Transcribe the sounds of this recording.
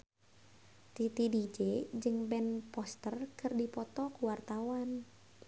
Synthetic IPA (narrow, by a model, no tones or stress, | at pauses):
t̪it̪idid͡ʒed͡ʒɨŋbɛnpɔst̪ərkɨrdipɔt̪ɔkuwart̪awan